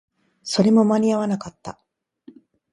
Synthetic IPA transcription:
so̞ɾe̞mo̞maɲ̟ʲiaβanakat̪ːa̰

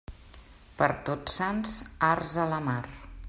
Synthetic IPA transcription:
pəɾt̪otsansarzələmar

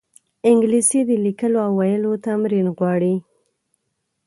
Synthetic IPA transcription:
ɪŋɡlisid̪əlikəloawːajəlot̪amɾinɣwɑɽi

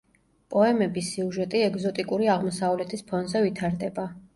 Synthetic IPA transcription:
pʼɔɛmɛbisiuʒɛt̪ʼiɛɡzɔt̪ʼikʼuɾiaʁmɔsavlɛt̪ʰispʰɔnzɛvit̪ʰaɾd̪ɛba

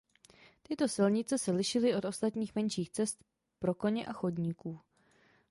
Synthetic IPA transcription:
t̪ɪt̪o̞sɪlɲɪt͡sɛsɛlɪʃɪlɪʔo̞t̪o̞st̪at̪ɲiːxmɛnʃiːxt͡sɛst̪ | pɾo̞ko̞ɲɛʔaxodɲikuː

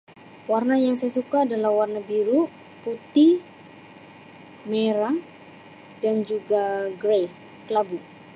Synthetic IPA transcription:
warnajaŋsajasukaːdalahwarnabiɾu | put̪i | meɾa | dand͡ʒuɡaɡɾej | kəlabu

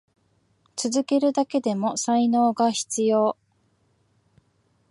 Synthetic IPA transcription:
t͡sɨzɨke̞ɾɯ̟d̪ake̞d̪e̞mo̞saino̞ːɡaçi̥t͡sɨjo̞ː

